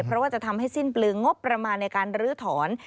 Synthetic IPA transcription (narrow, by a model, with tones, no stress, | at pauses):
pʰɾɔ˦˥waː˥˩t͡ɕa˨˩t̪ʰa˧mɦa˥˩jsi˥˩nplɯː˧ŋːo˦˥pːɾa˧maː˧nːa˧jkaː˧nɾɯː˦˥t̪ʰɔː˩˦n